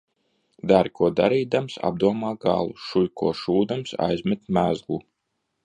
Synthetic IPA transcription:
d̪aɾkʰuɔd̪aɾiːd̪amsa̰b̚d̪uɔmaːɡa̰lˠuʃujkuɔʃuːd̪amsa̰jzmʲɛt̪mæzɡlˠu

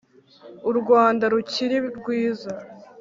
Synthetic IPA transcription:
uɾɡwaːndaɾuciɾiɾɡwiːza

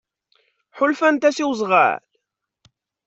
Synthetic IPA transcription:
ħʊlfænt̪æsiwzˤʁa̰l

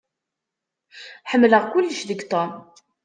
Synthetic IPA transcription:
ħəmːləʁkʊlːəʃðəɡt̪ˤom

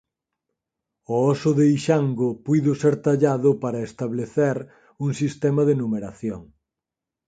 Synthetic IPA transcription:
ɔɔsʊðeiʃaŋɡʊpujðʊseɾt̪aʎaðʊpaɾɐest̪aβleθeɾ | uŋsist̪ɛmɐðenumeɾaθjoŋ

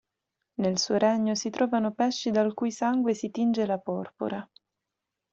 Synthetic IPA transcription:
nelsuoɾɛɲːosit̪ɾʔɔːvanopɛʃːid̪alkujsaŋɡwesit̪ind͡ʒelapɔrpo̰ɾa

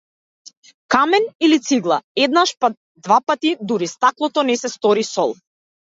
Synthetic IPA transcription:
kamɛnilit̪siɡlˠa̰ɛd̪naʃpa | d̪vapat̪id̪uɾist̪aklˠɔt̪ɔnɛsɛst̪ɔɾisɔlˠ

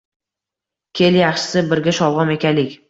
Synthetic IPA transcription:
kʲʰe̞ljaχʃɪ̥sɪbɪɾɡʲaʃɒwˠʁɒme̞kʲʰalɪkʲ

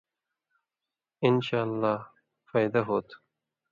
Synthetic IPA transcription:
ɪnʃaːlːaː | faːjd̪aɦoːt̪ʰ

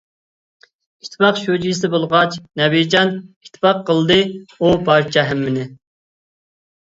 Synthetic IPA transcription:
iʃt̪ʰːɪpɑqʃud͡ʒijsɪbolˠʁɑt͡ʃnɛbid͡ʒɑni̥t̪ʰɪ̥pɑqːəlˠd̪ɨupɑɾt͡ʃʰɑɦæmːɪnɪ

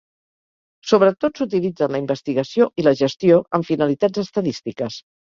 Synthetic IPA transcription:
soβɾət̪otsut̪̬ilid͡zənləimbəst̪iɣəsioʔiləʒəst̪ioʔəɱfinəlit̪ad͡zəst̪əðist̪ikəs

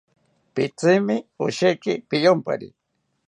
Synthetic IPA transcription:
pit͡sɪmɪoʃekɪpijompa̰ɾḭ

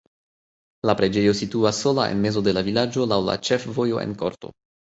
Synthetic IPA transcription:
lapɾe̞d͡ʒe̞josituasːo̞laʔe̞̰nme̞zo̞de̞lavilad͡ʒo̞lawla̰t͡ʃe̞fvo̞jo̞ʔe̞̰nko̞̰ɾto̞̰

